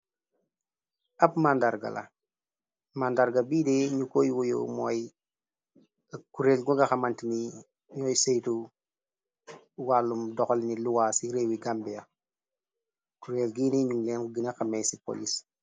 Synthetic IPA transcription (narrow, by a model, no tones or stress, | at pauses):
ʔɐpmandaɾɡɐ̰lɐ̰ | mandaɾɡɐbiːdɛɲukojwɔjo̰mɔːj | kuɾeːlɡuŋɡɐxɐmantini | ɲɔːjsejtu | walːumdɔxɔlniluwaːsiɾeːwiɡambɛjɐ | kuɾeːlɡiːniɲuŋlɛnɡinɐxɐmɛjsipɔ̰lis